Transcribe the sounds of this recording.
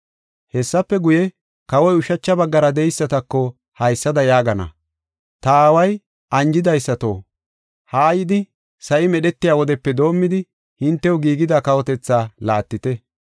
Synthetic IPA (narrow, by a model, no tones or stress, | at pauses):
hɛsːɐpːɛɡʊjɛ | kɐwɔjʊʃɐt͡ʃːɐbɐɡːɐɾɐd̪ɛjsːɐt̪ɐkːɔ | hɐjsːɐd̪ɐjaːɡɐnɐ̰ | t̪ɐaːwɐj | ʔɐnd͡ʒɪd̪ɐjsːɐt̪o̞̰ː | haːjɪd̪ɪ | sɐʔɪmɛɗɛt̪ːɪjaːwɔd̪ɛpːɛd̪o̞ːmːɪd̪ɪ | hɪnt̪ːɛʊɡiːɡɪd̪akɐwɔt̪ɛt͡sːaːlaːt̪ːɪt̪ɛ